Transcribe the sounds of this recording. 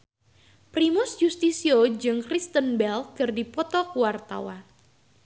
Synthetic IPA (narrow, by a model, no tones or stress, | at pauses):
pɾimʊsjust̪isiod͡ʒɨŋkɾist̪ənbɛlkɨrdipɔt̪ɔkuwart̪a̰wan